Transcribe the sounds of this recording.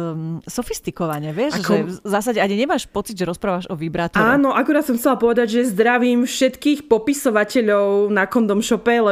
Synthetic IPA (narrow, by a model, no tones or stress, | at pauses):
sɔfist̪ikɔʋaɲɛʋɪɛʃʒɛzaːs̬aɟɛaɲiɲɛmaːʃpɔt͡siɟ̪ʒɛɾɔspɾaːʋaʒɔʋibɾat̪ɔaːnɔʔakuɾaːt̪sɔmxt͡sɛlapɔʋɛd̪aɟʒɛjɛzd̪ɾaʋiːmfʃɛt̪kiːxpɔpisɔʋacɛʎɔʊnakɔnd̪ɔmʃɔpɛlɛ